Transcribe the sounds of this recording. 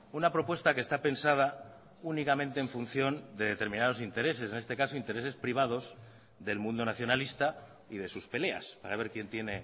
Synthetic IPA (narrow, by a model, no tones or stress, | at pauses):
unapɾo̞pwe̞st̪ake̞st̪ape̞nsað̞a | unikamẽ̞nt̪e̞ːɱfunθjo̞nd̪e̞ðe̞t̪e̞ɾmĩnað̞o̞sint̪e̞ɾe̞se̞se̞nest̪e̞kaso̞int̪eɾe̞se̞spɾiβ̞að̞o̞z | ðe̞lmũnd̪o̞naθjo̞nalist̪a | ið̞e̞suspe̞le̞a̰spaɾaβ̞e̞ɾkje̞nt̪je̞ne̞